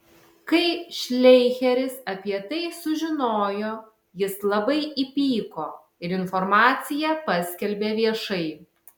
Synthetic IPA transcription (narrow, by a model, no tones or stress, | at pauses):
kɐɪʃʲlʲɛɪxʲɛɾʲɪsɐpʲiɛt̪ɐɪsʊʒʲɪnoːjoː | jɪslˠɐbɐɪipʲiːkoː | ɪɾɪnfɔɾmɑːt̪sʲɪjɛpɐsʲkʲɛlʲbʲeːʋʲiɛʃɐɪ